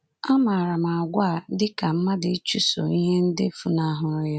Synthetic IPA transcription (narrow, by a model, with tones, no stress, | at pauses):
a˦ma˨ɾa˨ma˨a˨ɡʷa˦˨dɪ˦ka˨m̩˦ma˦dɪ˨˦t͡ʃu˦so̰˨i˦ɦe˦n̩˦dɪ˦fu˦na˦ɦʊ˨ɾja˦